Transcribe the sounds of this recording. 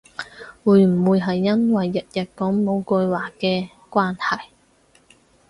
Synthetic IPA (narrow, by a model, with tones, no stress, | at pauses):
wuː˨˧jm̩˨˩wuː˨˧jɦɐ˨jːɐ˥nwɐ˨jːɐ˨t̚jɐ˨t̚kɔː˨˥ŋmo˨˧wkɵ˧jwaː˨˩kɛː˧ | kʷaː˥nhɐ˨˩j